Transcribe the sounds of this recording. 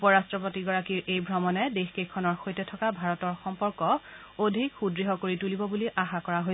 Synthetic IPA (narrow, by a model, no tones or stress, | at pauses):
upɔɹastɹɔpotiɡɔɹakiɹʔejbʱɹɔmɔnɛdexkekʰːɔnɔɹxojtɛtʰɔkabʱaɹɔtɔɹxɔmpɔɹkɔ | odʱikxudɹiɦɔkoɹitulibɔbuliʔaxakɔɹaɦoj